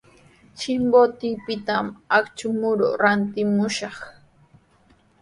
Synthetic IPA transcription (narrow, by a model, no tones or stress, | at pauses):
t͡ʃɪmbot̪ɪpɪt̪amakt͡ʃʊmʊɾo̰ɾant̪ɪmʊʃɑχ